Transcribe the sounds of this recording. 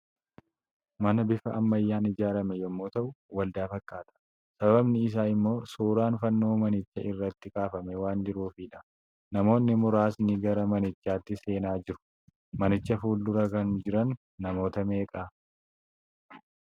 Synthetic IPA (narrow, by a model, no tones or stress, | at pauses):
mɐnɐbɪfɐɐmːɐjːaːnɪd͡ʒaːɾɐmɛjɛmːoːt̪ɐʔʊwɐld̪aːfɐkʼːaːt̪ɐ̥ | sɐbɐbɐbnɪɪs̬aːɪmːo̞ːsuːɾaːnfɐnːo̞ːmɐnɪt͡ʃːɐɪrːɐt̪ːɪkʼaːfɐmɛwaːnd͡ʒɪɾuːfiːᶑɐ | nɐmo̞ːnːɪmʊɾaːsnɪɡɐɾɐmɐnɪt͡ʃːaːt̪ːɪse̞ːnaːd͡ʒɪɾʊ̥ | mɐnɪt͡ʃːɐfuːld̪ʊɾɐkɐnd͡ʒɪɾɐnː | ɐmo̞ːt̪ɐme̞ːkʼa